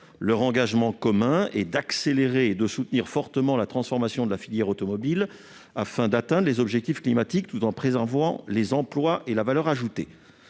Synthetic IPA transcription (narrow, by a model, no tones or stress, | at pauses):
lœʁɑ̃ɡaʒmɑ̃kɔmɛ̃ɛd̪akseleʁeːd̪əsut̪niʁfɔʁt̪əmɑ̃lat̪χɑ̃sfɔʁmasjɔ̃d̪əlafiljɛʁot̪ɔmɔbil | afɛ̃d̪at̪ɛ̃d̪ʁlezɔbʒɛk̚t̪ifklimat̪ik̚t̪ut̪ɑ̃pχezɛʁvɑ̰̃lezɑ̃plwaʔelavalœʁaʒut̪e